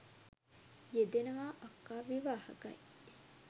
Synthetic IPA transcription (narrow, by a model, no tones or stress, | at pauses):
jed̪enɐʋaːʔɐkːaːʋiʋaːhɐ̰kɐ̰j